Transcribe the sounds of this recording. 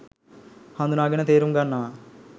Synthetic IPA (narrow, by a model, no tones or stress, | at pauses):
hand̪unaːɡinɐt̪eːɾumɡɐnːa